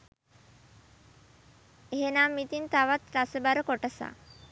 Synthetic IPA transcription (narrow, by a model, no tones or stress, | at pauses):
eɦenaːmːit̪int̪aʋat̪ɾasəbaɾəkoʈəsa̰ː